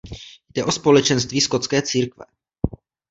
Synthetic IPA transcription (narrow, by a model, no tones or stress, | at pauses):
jdɛʔo̞spo̞lɛt͡ʃɛnst̪viːsko̞t̪t͡skɛːt͡siːɾkvɛ̰